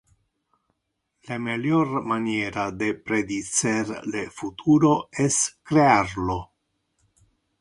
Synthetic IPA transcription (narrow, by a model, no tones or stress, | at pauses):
lameljɔrmanjɛːɾad̪epɾed̪it̪serlefut̪ʰuːɾoɛskɾearlo